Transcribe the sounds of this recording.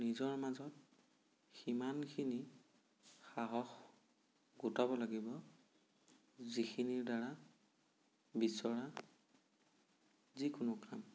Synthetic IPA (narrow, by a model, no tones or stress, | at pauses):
nizɔɹmazɔt̚ | ximankʰini | xaɦɔx | ɡutabɔlaɡibɔ | zixʰiniɹdaɹa | bisɔɹa | zikʊnʊkɹam